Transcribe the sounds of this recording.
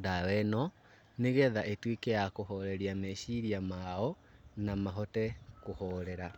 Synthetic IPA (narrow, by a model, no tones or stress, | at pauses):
dawɛnɔ | neɣɛðaʔetwikɛjakohɔɾɛɾiamɛʃiɾiamaɔ | namaɦɔtɛkohɔɾɛɾa